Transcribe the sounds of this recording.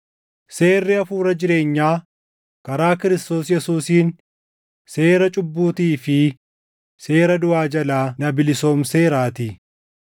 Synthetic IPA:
se̞ːrːɪɐfuːɾɐd͡ʒɪɾe̞ːɲːaː | kɐɾaːkɪɾɪst̪o̞ːsjɛsuːsiːn | se̞ːɾɐt͡ʃʼʊbːuːt̪iːfɪ | se̞ːɾɐd̪ʊaːd͡ʒɐlaːnɐbɪlɪso̞ːmseːɾaːt̪ɪ

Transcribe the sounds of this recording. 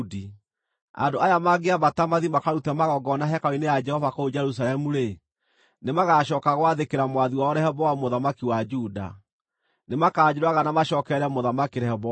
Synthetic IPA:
di | a̰ndoajamaɡeamatamaðimakaɾutɛmaɣɔɡɔnaɦɛkainejad͡ʒɛhɔvakood͡ʒɛɾus̬aɾɛmuɾe | nemaɣaʃɔːkaɣwaðekeɾamwaðiwaɔɾɛhɛβɔwamoðamakiwad͡ʒuda̰ | nemakaːd͡ʑeɾwaɣanamaʃɔːkɛɾɛmoðamakeɾɛɛβɔ

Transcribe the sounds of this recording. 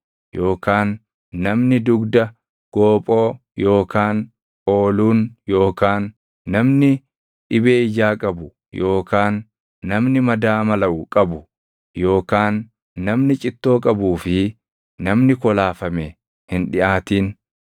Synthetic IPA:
jo̞ːkaːnː | ɐmnɪd̪ʊɡd̪ɐ | ɡ̥o̞ːpʼo̞ː | jo̞ːkaːŋ | ʔo̞ːluːnjo̞ːkaːnː | ɐmnɪ | ᶑɪbeːɪd͡ʒaːkʼɐbʊ | jo̞ːkaːnː | ɐmnɪmɐd̪aːmɐlɐʔʊkʼɐbʊ | jo̞ːkaːnː | ɐmnɪt͡ʃʼɪt̪ːo̞ːkʼɐbuːfɪ | nɐmnɪkɔlaːfɐme | hɪnᶑɪʔaːt̪iːn

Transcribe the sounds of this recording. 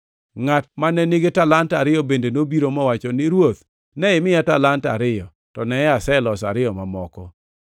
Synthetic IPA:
ŋat̚manɛneɡetalantaɾɪjɔbendenobiɾomɔwat͡ʃɔnɪɾwot̪ | nɛɪmɪjatalanta̰ɾɪjɔ | tɔnɛasɛlɔsa̰ɾɪjɔmamɔkɔ

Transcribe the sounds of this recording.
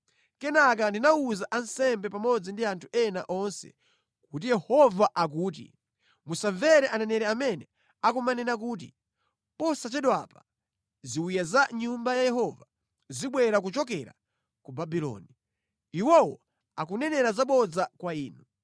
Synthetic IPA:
kɛnak̬andinauzaʔansɛmbɛpamɔd͡zindiantʰuɛna̰ʔɔnsɛ̰ | kut̬ijɛhɔvaʔak̬uːt̬ḭ | musaɱvɛɾɛʔanɛnɛɾɛamɛnɛ | akumanɛnak̬uːt̬ḭ | pɔsat͡ʃɛɗɔwapa | ziwijazaɲumbajajɛɦɔva | ziɓwɛɾak̬ut͡ʃɔk̬ɛɾa̰ | kubabilɔ̰ːni | iwɔwɔ | akunɛnɛɾazaɓɔd͡zakwaiːnu

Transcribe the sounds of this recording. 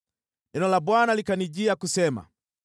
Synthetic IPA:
nɛnɔlabwanalikaniɟiakusɛma̰

